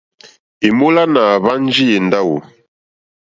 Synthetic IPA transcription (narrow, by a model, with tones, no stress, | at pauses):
i˨mo˦la˦na˨βa˦n˦d͡ʒi˦e˨nda˦wu˨